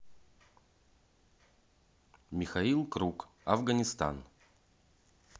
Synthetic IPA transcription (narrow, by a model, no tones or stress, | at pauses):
mʲixailˠkɾuk | ɐvɡɐnʲɪst̪a̰n